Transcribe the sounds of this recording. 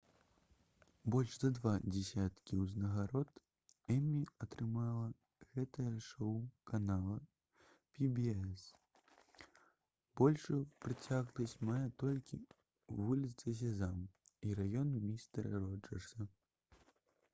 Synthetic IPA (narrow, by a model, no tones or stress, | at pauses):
bɔlʲʐzɐd̪vad͡zʲɛsʲat̪kʲiwznɐɣaɾɔt̪ | ɛmʲiɐt̪ɾɨmalˠɐ | ɣɛt̪ɐjɛʂɔwkanalˠɐ | pʲibʲiɛs | b̥ɔlʲʂɨjpɾɨt͡sʲaɣlɐsʲt͡sʲmajɛt̪ɔlʲkʲḭ | vulʲit̪sɨs̬ʲɐzamiɾajɔnmʲist̪rɐɾɔd͡ʒɐ̰rsɐ